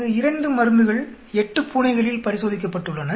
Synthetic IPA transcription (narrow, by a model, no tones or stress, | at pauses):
ɯɪɾɐɳɖɯmɐɾɯnd̪ɯɣɐɭ | ɛʈːɯpuːnɐɪɣɐɭɪlpɐɾɪsoːðɪk̬ːɐpːɐʈːɯɭːɐnɐ